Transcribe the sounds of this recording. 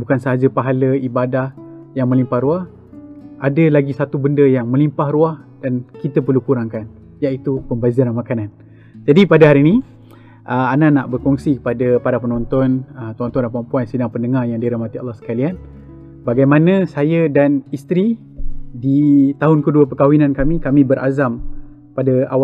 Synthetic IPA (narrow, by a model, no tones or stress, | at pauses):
bukansəɦad͡ʒəpaɦaləibadahjaŋmə̃limpahɾuah | ʔadəlaɡisat̪ubəndəjaŋmə̃limpahɾuahd̥ankit̪əp̬ərlukuɾaŋkan | jait̪upəmbazanamakanan | d͡ʒadipadəɦalini | ʔəananaʔbərkɔŋsikə̥padəpaɾapənɔnt̪ɔnət̪ɔnt̪ɔndapəampuansədaŋpəndəŋarjaŋdiɾahmat̪ia̰lːahsə̥kalian | baɡajmãnəsajədanist̪ɾi | dit̪aɦʊnkəduəpəkawinãnkamĩkamĩbəɾʔa̰zam | padəawa